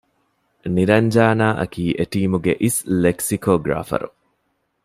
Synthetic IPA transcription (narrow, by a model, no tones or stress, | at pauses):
niɾɐɲd͡ʒaːnaːʔɐ̰kiːʔeʈiːmuɡeʔisleksikoːɡɾa̰ːfɐ̰ɾṵ